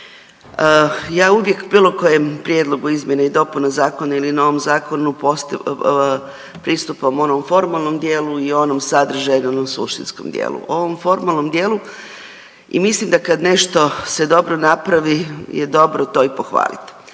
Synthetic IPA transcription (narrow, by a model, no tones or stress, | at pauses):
əjaːuʋje̞kbiːlˠo̞ko̞jempɾje̞d̪lˠo̞ɡuizmje̞naid̪o̞punazaːko̞nailinaoʋomzaːko̞nupos | pɾist̪upamo̞nomfo̞ɾmalˠno̞md̪jeːluio̞nomsad̪r̩ʒajenonomsṵʃt̪ḭnsko̰md̪jḛːlˠṵoʋomfo̞ɾmaːlˠno̞md̪jeːlˠu | ḭmislimd̪akad̪ne̞ʃt̪o̞se̞d̪o̞bɾonapɾaʋijed̪o̞bɾot̪o̞ipoxʋa̰ːlḭt̪